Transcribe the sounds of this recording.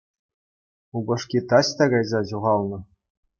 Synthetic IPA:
ubɤ̆ʂkʲit̪ɑɕt̪ɑɡɑjzɑʑuʁɑlˠnɤ̆

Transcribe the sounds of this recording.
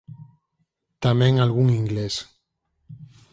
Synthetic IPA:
t̪amẽŋalɣuŋiŋɡles

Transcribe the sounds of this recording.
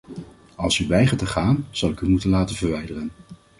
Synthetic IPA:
ɑlˠsyʋɛjχəɹtəχaːnz̥ɑwlɪkymutənlaːtənvəɹʋɛjdərən

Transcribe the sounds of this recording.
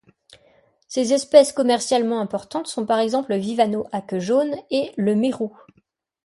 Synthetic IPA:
sezɛspɛskɔmɛʁsjalmɑ̃ɛ̃pɔʁt̪ɑ̃t̪sɔ̃paʁɛɡzɑ̃pləvivanoʔakʒoneləmeʁu

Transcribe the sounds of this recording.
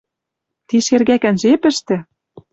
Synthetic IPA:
t̪iʃerɣækænʒepɘ̆ʃt̪ɘ̆

